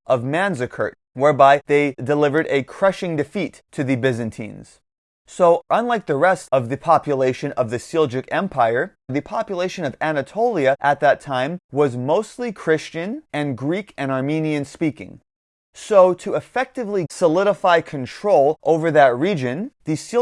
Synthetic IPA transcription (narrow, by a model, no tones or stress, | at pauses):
ʔʌvmæ̃nzɨkʰɜ̰˞t̚wɛɹbaɪðeɪdɨlɪvə˞ɾɨkʰɹ̥ʌʃɪ̃ŋdɨfitʰɨðɨbɪzɨ̃ntʰḭ̃nz̥ | soʊʔʌ̃nlaɪk̚ðɨɹɛstʌvðɨpʰɑpjɨleɪʃɨ̃nʌvðɨsɪlˠd͡ʒɨkɛ̃mpʰaɪə˞ | ðɨpʰɑpjəleɪʃɨ̃nʌvænɨtʰoʊlˠiɨʔət̪̚ðɨtʰãɪ̃mwʌzmoʊstˡlikʰɹ̥ɪst͡ʃɨ̃nɨ̃nɡɹikɨ̃ñɑɹmĩniɨ̃nspikɪ̰̃ŋ | soʊɾɨəfɛk̚tɨvlisəlɪɾəfaɪkʰɨ̃ntʰɹ̥oʊlˠʔoʊvə˞ðɨt̚ɹid͡ʒɨ̃nðɨsi